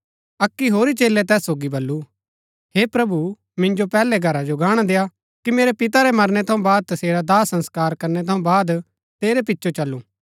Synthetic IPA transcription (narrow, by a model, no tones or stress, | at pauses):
ɐkːiɦoːɾit͡ʃeːlːɛt̪̬ɛːsːoːɡibɐlːu | heːpɾɐbu | mɪ̃nd͡ʒopɛːlɛɡʱɐɾad͡ʒoɡaːɽ̃ad̪eːja | kimeːɾepɪt̪aɾɛmɐɾnɛt̪ʰɐ̃ũbaːd̪̚t̪ɐseːɾad̪aːsɐ̃nskaːɾkɐɾnɛt̪ʰɐ̃ũbaːd̪ | t̪eːɾepɪtːʃʰot͡ʃɐlːũː